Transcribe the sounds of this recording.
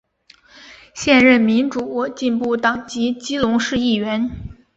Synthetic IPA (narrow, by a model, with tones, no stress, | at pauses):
ɕjɛ˥˧nɻə˥˩nmi˧˥nʈ͡ʂu˨˩wɔ˥˩t͡ɕi˥˧npu˥˩t̪ɑ˨˩ŋt͡ɕi˧˥t͡ɕi˥lʊ˧˥ŋʂɻ̩˥˧i˥˩ɥɛ˧˥n